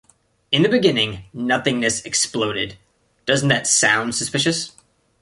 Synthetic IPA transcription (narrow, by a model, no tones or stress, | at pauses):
ɨ̃nðɨbɨɡɪ̃nɪ̃ŋnʌθɪ̃ŋnɨsɨksploʊɾɪ̰d̚ | d̥ʌzn̩ðɨtsã̰ʊ̃nd̥sɨspɪʃɨs